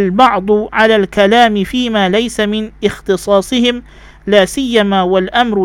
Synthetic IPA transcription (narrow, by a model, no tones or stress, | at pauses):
lbɑʕd̪ˤʊʕalaːlkalaːmɪfiːmaːlajsamɪnʔɪxt̪ɨsˤɑːsˤɨhɪm | laːsɪjːamaːwalʔamɾ